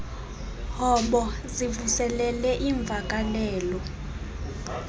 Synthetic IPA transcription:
hɔɓɔ | zivusɛlɛlɛʔiɱb̪vʱakʼalɛːlɔ

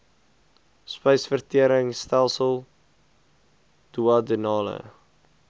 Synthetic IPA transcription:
spəjsfərtiəɾəŋstælˠsəlˠ | d̥uɑdənɑːlə̰

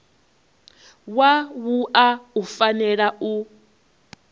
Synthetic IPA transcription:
wawuʔaufanɛɺau

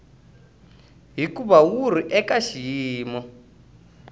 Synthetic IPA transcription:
ɦikuβawuɾ̤iʔɛkaʃiːmɔ

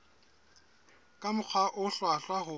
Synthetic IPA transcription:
kʼamʊk͡xʰwaʔʊɬwaɬwaɦʊ

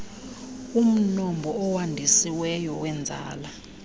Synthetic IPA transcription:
um̩nɔmbʱɔɔwandʱisiwɛjɔwɛnd͡zʱa̰ːla

